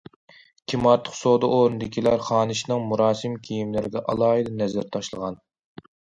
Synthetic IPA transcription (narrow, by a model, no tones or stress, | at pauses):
kʲʰimɑɾt̪ʰːə̥χsod̪ɨʔoːɾnɨd̪ɪkʲʰilæɾχɑːnɨʃnɨŋmuɾɑːsɨmkʲʰijimlɪɾɪɡ̪ʲɛʔɑ̰lˠɑːɨd̪ɑnɛzɪɾt̪ʰɑʃlˠəʁɑn